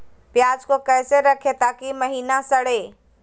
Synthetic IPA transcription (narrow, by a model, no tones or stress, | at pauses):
pjaːd͡ʒkokɛːseɾɐkʰet̪aːkimɐɦiːnasɐɽ̤eː